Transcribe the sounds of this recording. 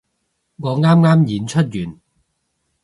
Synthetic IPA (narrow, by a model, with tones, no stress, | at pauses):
ŋɔː˨˧ŋaː˥mŋaː˥mjiː˨nt͡ʃʰɵ˥t̚jyː˨n